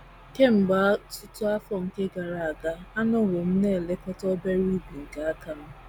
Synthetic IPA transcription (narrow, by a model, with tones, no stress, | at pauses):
ke˦m̩˨ɡ͡ba˦tʊ˦tʊ˦a˦fɔ˦ŋ̩˨ke˦ɡa˨ɾa˨a˨ɡa˦a˦nɔ˦wo˨m̩˦ne˦˨le˦kɔ˦tɔ˦be˦ɾi˦bi˨ŋ̩˨ka˦a˦ka˦m̩˦